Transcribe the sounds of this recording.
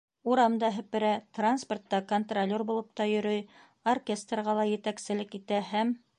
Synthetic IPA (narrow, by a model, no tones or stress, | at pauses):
uɾɑmd̪ɑɦɘ̆pɘ̆ɾæt̪ransport̪ːɑkont̪rolʲːorbulˠɤ̆pt̪ɑjɵ̆ɾɵj | orkʲest̪rʁɑlˠɑjɘ̆t̪æksɘ̆lɘkit̪æhæm